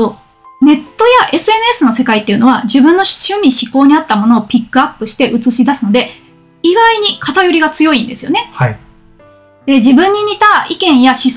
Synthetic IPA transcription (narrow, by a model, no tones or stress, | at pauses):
o | ne̞t̪ːo̞jaʔe̞sɨe̞nɯ̟e̞sɨno̞se̞kait̪ːe̞iɯ̟no̞β̞ad͡ʑibɯ̟̃nːo̞ɕɨmʲiɕiko̞ːɲ̟iat̪ːamo̞no̞ːpʲikːɯ̟apːɯ̟ɕi̥t̪e̞ʔɯ̟t͡sɨɕid̪asɨno̞d̪e̞ | iɡaiɲ̟ikʰat̪ajoɾʲiɡat͡sɨjo̞ĩnd̪e̞sɨjo̞̰ne̞hai | d̪̥e̞d͡ʑibɯ̟̃ɲ̟ːiɲ̟it̪aikẽ̞ɰ̃jaɕis